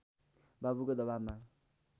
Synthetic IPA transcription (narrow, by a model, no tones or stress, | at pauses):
babukod̪ʌbama